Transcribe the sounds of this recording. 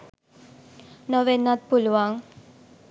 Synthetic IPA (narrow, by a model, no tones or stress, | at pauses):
nəʋenːat̪̚pulʋaŋ